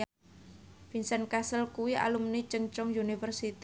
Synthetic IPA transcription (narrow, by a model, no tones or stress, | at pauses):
finsɛnkasəlkuwia̰lumnit͡ʃəŋt͡ʃɔŋjunifərsit̪i